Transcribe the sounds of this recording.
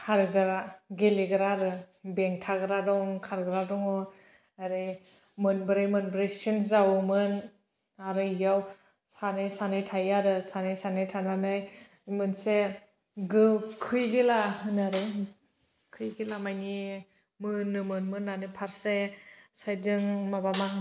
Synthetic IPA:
kʰaɾɡɯɾaɡeliɡɯɾaɾɯ | beŋtʰaɡɯɾadɔŋkʰaɾɡɯɾadɔŋɔ | aɾɯj | mɯnbɯɾɯjmɯnbɾejsinzawmɯn | aɾɯjaw | sanɯjsanɯjtʰajaɾɯsanɯjsanɯjtʰananɯj | mɯnse | ɡɯkʰɯjɡilaɦɯnaɾɯ | kʰɯjɡilamajni | mɯnːɯmɯnmɯnːanɯpʰaɾsesajdɯŋmabama

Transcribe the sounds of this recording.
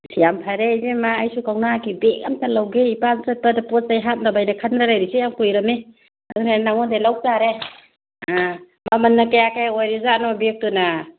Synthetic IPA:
sʰijampʰaɾejzemaːjsukʰawnakibekamtʰalawɡeipansat̚padapɔsajɦat̚nabajnakʰanɾalajɾisejaŋpujɾame | adunanaŋɔndelaw̚zaɾe | a | mamanːakajakajojɾizanɔbek̚tuna

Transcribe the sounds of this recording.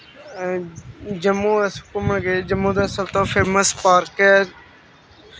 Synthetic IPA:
d͡ʒəmːũːəskəməɳɡeːd͡ʒəmːũːd̪ɛːsəbt̪õːpʰeːməspaːɾkɛː

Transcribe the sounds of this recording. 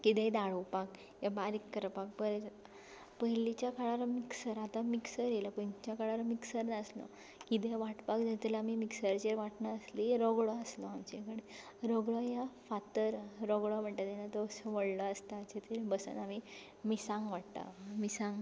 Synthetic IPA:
kit̪ɛ̃d̪aɽopak | jabaɾikːəɾpak̚pəɾe | pəɦilit͡ɕjakaɽaɾamiksəɾat̪amiksəɾjelapəɲt͡ɕjakaɽaɾamiksəɾnaəslɔ̰ | kit̪ẽʋaʈpakd͡ʑat̪əlaamimiksəɾt͡ɕeʋaʈnaəsliɾɔɡɭɔəslɔamt͡ɕekəɽe | ɾɔɡɭɔjafat̪əɾɾɔɡɭɔm̤əɳʈ̪at̪enat̪ɔsəʋəɽlɔəst̪at͡ɕet̪ʰeɾbəsə̰nami | misãŋɡʋaʈt̪a̰misaŋɡ

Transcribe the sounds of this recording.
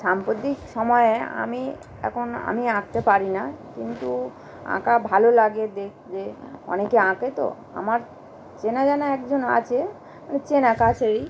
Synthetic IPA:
ʃampɾot̪ikʃɔmɔea̰mi | ɛ̰kʰona̰miãk̚t̪epaɾinakint̪u | ã̰kabʱalolaɡed̪ekʰd͡ʑeɔ̰nekeãket̪o̰ | a̰maɾ | t͡ɕenad͡ʑanaɛkd͡ʑona̰t͡ɕʰe | manet͡ɕenakat͡ɕʰeɾi

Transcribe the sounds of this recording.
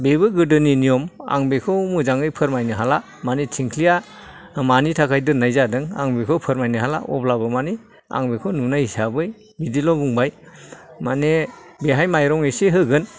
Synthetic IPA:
beβɯɡɯdɯninijɔma̰ŋbekʰɯwmuzaŋɯjpʰɯɾmajnɯɦala | manetʰiŋkʰlija | manitʰakʰajdɯnajzadɯŋa̰ŋbekʰɯwpʰɯɾmajnɯɦala̰ʔɔ̰blabɯmani | a̰ŋbekʰɔnunajhisabɯj | bidilɔbuŋbajmanebeɦajmajɾɔŋesiɦɯɡɯn

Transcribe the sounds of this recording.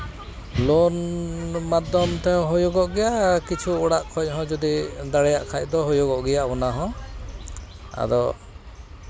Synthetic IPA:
lɔnmad̪ɔmt̪ɛɔ̃ɦɔjɔɡɔʔɡɛjaʔkit͡ʃʰuːɽaʔkʰɔc̚ˀɦɔ̃d͡ʒud̪id̪aɽɛjaʔkʰac̚d̪ɔɦɔjɔɡɔʔɡɛjaʔbɔnaɦɔ̃ | a̰d̪ɔ

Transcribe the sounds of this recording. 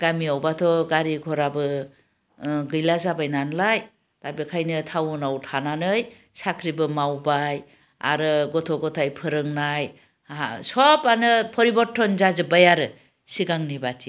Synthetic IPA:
ɡamiawbatʰɔɡaɾiɡʰɔɾabɯ | ɡɯjlazabajnanlaj | tabikʰajnɯtʰawnawtʰananɯj | sakʰɾibɯmawbaj | a̰ɾɯɡɔtʰɔɡɔtʰajpʰɯɾɯŋnaj | asɔpanɯpʰɔɾibɔtʰːɔnzazɯbajaɾɯ | siɡaŋnibatʰi

